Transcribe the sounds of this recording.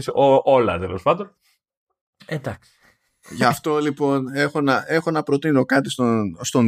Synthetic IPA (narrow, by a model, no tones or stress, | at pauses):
soʔolɐ̰t̪elo̞spɐnd̪o̞n | ed̪ɐksi̥ | ʝɐft̪o̞lipo̞ne̞xo̞nɐe̞xo̞nɐpɾo̞t̪ino̞kɐt̪ist̪ost̪o̞n